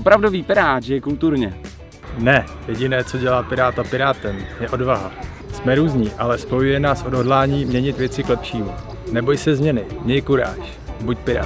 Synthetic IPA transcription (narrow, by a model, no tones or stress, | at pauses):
opɾavdoviːpɪɾaːʒjɛkult̪uɾɲɛ | nɛ | jɛɟɪnɛːt͡so̞ɟɛlaːpɪɾaːt̪apɪɾaːt̪ɛmjɛʔo̞dvaɦa | smɛɾuːzɲiːʔalɛspo̞jujɛnaːsʔo̞dɦo̞dlaːɲiːmɲɛɲɪt̪vjɛt͡sɪklɛpʃiːmu | nɛbo̞jsɛzmɲɛnɪmɲɛjkuɾa̰ːʃ | buc̚pɪɾa̰ː